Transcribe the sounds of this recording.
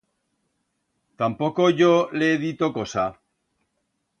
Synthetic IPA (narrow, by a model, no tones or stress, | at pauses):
t̪ampo̞ko̞ʝoleeðit̪o̞ko̞sa